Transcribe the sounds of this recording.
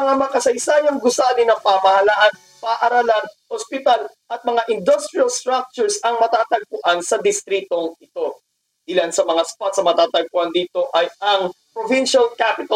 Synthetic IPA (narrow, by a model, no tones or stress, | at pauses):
ɐŋamɐkɐsɐjsaːjɐŋɡʊsaːlɪnɐŋpamɐhɐlaʔɐn | paːʔɐɾalan | ospɪt̪al | ʔɐt̪̚mɐŋaʔɪnd̪ost̪ɾiɐlst̪ɾak̚t͡ʃʊɹsɐŋmɐt̪aːt̪ɐɡ̚pʊʔansɐd̪ɪst̪ɾiːt̪o̞ŋɪt̪o̞ | ʔɪlansɐmɐŋaspat̪sɐmɐt̪aːt̪ɐɡ̚pʊʔand̪iːt̪o̞ʔɐjɐŋpɾovɪnʃɐlkapɪt̪ɐ